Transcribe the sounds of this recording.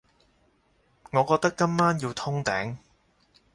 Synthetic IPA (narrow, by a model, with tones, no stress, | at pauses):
ŋɔː˨˧kɔː˧k̚t̪ɐ˥kːɐ˥mmaː˥njiː˧wt̪ʰʊ˥ŋt̪ɛː˨˥ŋ